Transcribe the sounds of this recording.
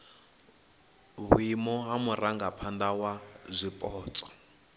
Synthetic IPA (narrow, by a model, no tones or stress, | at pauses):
βwimɔɦamuraŋɡapʰandawazʷipʼɔːt͡sʼɔ̥